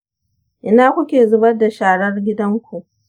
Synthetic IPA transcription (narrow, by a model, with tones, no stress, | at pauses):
ʔɪ˦naː˦kʷʊ˦kʲeː˨zʊ˦bɐ˦rda˨ʃaː˨ɽɐ˦rɡʲɪ˦dɐ˦ŋkʷu˨ʔ